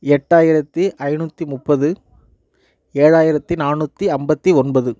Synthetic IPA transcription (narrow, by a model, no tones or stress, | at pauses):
ɛʈːaːjɪɾɐt̪ːɯʔɐɪnuːt̪ːimʊpːɐðɯ | eːɻaːjɪɾɐt̪ːɯnaːnuːt̪ːiɐmbɐt̪ːiɔnbɐðɯ